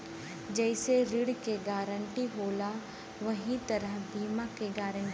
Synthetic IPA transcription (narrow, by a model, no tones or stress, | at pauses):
d͡ʒɛːɪseɾɪɽkeɡaːɾəɳʈiɦoːla | ʋɐɦĩt̪ɐɾəɦbiːmakeɡaːɾə̃ɳ